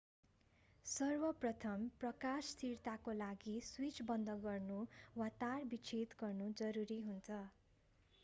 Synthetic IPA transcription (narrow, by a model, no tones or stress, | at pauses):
sʌrbʌprʌt̪ʰʌmprʌkasːt̪ʰirt̪akolaɡiswit͡sbʌnd̪ʌɡʌrnuwat̪arbit͡sʰet̪ɡʌrnud͡zʌɾuɾiɦunt͡sʰʌ